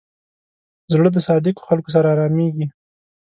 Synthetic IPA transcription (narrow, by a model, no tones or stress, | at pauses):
zɽəd̪əsɑd̪ɪko̥xalkos̬aɾaːɾɑmeɡi